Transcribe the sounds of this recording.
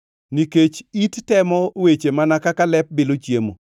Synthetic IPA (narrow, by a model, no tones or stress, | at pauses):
niket͡ʃittɛmɔwet͡ʃemanakakalɛp̚belot͡ʃjemo̰